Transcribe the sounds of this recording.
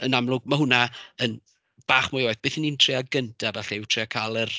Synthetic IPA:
ənamlˠʊɡmaɦʊnaən | b̥aːχmʊjɔjθbeːθiniːntʰr̥ɪaɡəntʰavɛɬiɪwtʰr̥ɪakʰaːlˠər

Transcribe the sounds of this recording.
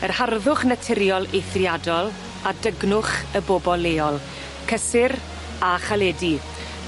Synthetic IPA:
ərharðʊχnətʰɪɾjɔlˠejθrjadɔlˠ | adəɡnʊχəboːbɔlˠeːɔlˠ | kʰəsɪr | aχalɛːdi

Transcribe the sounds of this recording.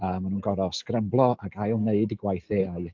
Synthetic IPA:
əːmanuːnɡɔɾɔskrəmblˠɔaɡajlˠneɨdɪɡwajθeːaɨ

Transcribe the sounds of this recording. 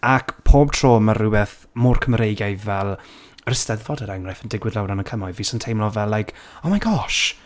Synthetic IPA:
akpʰoːb̥̚tʰr̥oːmərɪwɛθ | mʊrkʰəmɾejɡajvɛlˠ | rɪstɛðvɔdəɾaŋrɛfəndɪɡwɪðlɛwnanəkʰəmɔjviːsɔntʰejmlɔvɛlːajkʰomajɡɔʃ

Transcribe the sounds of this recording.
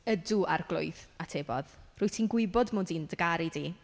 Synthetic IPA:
ədʊʔarɡlˠʊ̰ɨθatʰeːbɔ̰ðrʊɨtʰinɡwɪbɔdmoːdindəɡaɾidiː

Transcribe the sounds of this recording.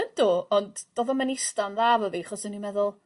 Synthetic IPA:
ənd̥oɔndd̥oːðɔmanɪstanðaːvəviχɔsənimɛðʊlˠ

